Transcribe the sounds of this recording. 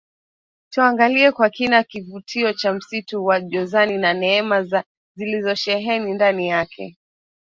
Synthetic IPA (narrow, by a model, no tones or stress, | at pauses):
tuaŋɡaliɛkwakinakivutʰiɔt͡ʃam̩situwaʄɔzaninanɛɛmaza | zilizɔʃɛɦɛnindanijakʰɛ̰